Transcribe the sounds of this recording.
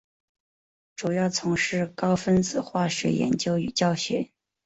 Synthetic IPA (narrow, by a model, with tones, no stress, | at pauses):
ʈ͡ʂu˨˩jɑ˥˩ʊt͡sʰʊ˧˥ŋʂɻ̩˥˩kɑ˥ʊfə˥nt͡sɹ̩˨˩xwa˥˩ɕɛ̰˧˥jɛ̰˧˥nt͡ɕjo˥ʊy̰˨˩t͡ɕjɑ˥˩ʊɕɥɛ̰˧˥